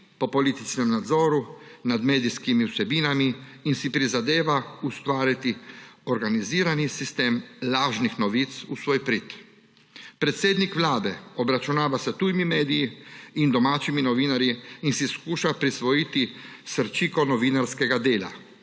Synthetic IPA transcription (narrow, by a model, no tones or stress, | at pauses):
pɔpɔlit̪it͡ʃnɛmnad̪zɔːɾunad̪meːd̪iskimiwsɛbiːnamiːnsipɾizad̪eːʋaust̪ʋaːɾit̪iɔɾɡaniziːɾanisist̪eːmlaːʒnixnɔʋit̪susʋoːjpɾit̪ | pɾɛt̪seːd̪nikʋlaːd̪ɛɔbɾat͡ʃunaːʋasət̪uːjmimeːd̪ijiind̪ɔmaːt͡ʃiminɔʋiːnaɾjiinsiskuːʃapɾisʋɔiːt̪isəɾt͡ʃiːkɔnɔʋiːnaɾskɛɡad̪eːla̰